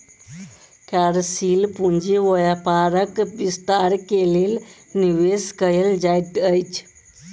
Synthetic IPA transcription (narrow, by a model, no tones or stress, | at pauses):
kaɾsilpund͡ʒeʋəjapaɾəkbist̪aɾkelel | niʋeskəeld͡ʒajʈ̪əjt͡ʃʰ